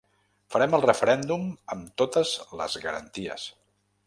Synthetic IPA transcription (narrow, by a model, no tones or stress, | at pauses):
fəɾɛməlˠrəfəɾɛnd̪uməmt̪ot̪əzlə̰zɣəɾə̰nt̪iə̰s